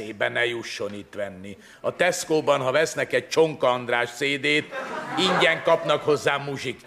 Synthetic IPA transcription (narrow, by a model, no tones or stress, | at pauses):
eːbɛnɛjuʃːo̞nit̪ʋɛnːi | ɒt̪ɛskoːbɒnɦɒvɛsnɛkɛɟ̚t͡ʃo̞ŋkɒːnd̪raːʃseːd̪eːt̪iɲɟɛŋkɒpnɒkho̞zːaːmuʒik